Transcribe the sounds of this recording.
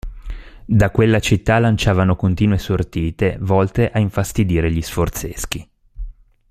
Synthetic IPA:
d̪akwelːat͡ʃit̪ːalant͡ʃaːvanokont̪iːnuesort̪iːt̪evɔlt̪eʔaiɱfast̪id̪iːɾeʎisfort̪sesk̟i

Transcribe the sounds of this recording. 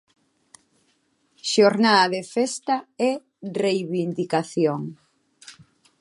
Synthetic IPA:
ʃoɾnaðɐðefɛst̪aɛ | rejβind̪ikaθjoŋ

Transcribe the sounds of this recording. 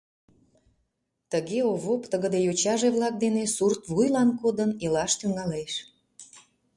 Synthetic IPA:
t̪əɣeoβopt̪əɣəd̪ejot͡ɕɑʒeβlɑk̚d̪enesurt̪βujlɑnkod̪ənelɑʃt̪yŋɑleʃ

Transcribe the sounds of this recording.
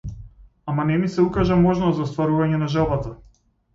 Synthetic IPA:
amanɛmisɛukaʒamɔʒnɔt̪zaɔst̪vaɾuvaɲɛnaʒɛlˠbat̪a

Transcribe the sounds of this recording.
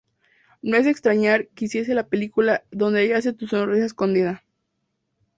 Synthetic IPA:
noe̞s̬e̞kst̪ɾaɲaɾkisje̞s̬e̞lape̞likulaðo̞nd̪eeʝaas̬et̪usonris̬aesko̞nd̪iða

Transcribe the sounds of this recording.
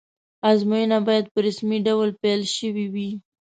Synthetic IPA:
azmujənabɑjad̪̚pəɾasmiɖawlpelʃəwiwi

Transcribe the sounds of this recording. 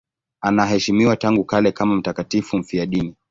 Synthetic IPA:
anaɦɛʃimiwataŋɡukalɛkamam̩takatifum̩fiaɗini

